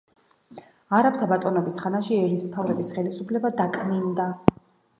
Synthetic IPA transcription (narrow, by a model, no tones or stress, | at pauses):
aɾap̚ʰt̪ʰabat̪ʼɔnɔbisχanaʃiɛɾismt̪ʰavɾɛbisχɛlisupʰlɛbad̪akʼnind̪a